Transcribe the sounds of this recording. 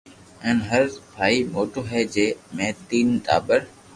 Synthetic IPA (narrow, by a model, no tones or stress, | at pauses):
ɛ̃ːnɦəɾpʰaːiːmoːʈoːɦɛːd͡ʒeːmẽːt̪iːnʈa̰ːbəɾ